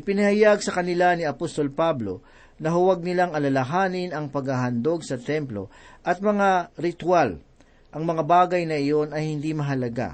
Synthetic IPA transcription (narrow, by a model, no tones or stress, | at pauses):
ʔɪpɪnɐhɐjaɡsɐkɐnɪlanɪɐpost̪o̞lpablo̞̰ | nɐɦʊwaɡ̚nɪlaŋɐlɐlɐɦaːnɪnɐŋpɐɡhaɦɐnd̪o̞ɡ̚sɐt̪ɛmplo̞̰ʔɐt̪̚mɐŋaɾɪt̪wal | ʔɐŋmɐŋabaːɡɐjnɐʔɪjo̞nɐjhɪnd̪imɐɦɐlɐɡa̰